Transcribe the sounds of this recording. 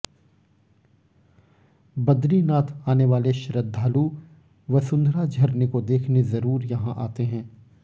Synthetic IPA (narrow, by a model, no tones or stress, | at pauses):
bɐd̪ɾinaːt̪ʰaːneʋaːleʃɾəd̪ʱːaːlu | ʋɐsʊ̃nd̪ʱɾad͡ʒʱɐɾnekod̪eːkʰnezɐɾuːɾjɐɦãʔa̰ːt̪eɦɛ̃ː